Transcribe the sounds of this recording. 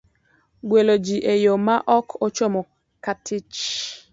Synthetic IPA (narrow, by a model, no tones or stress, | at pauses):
ɡwelod͡ʒiʔejomaʔɔkʰɔt͡ʃɔmɔ | katʰɪt͡ʃ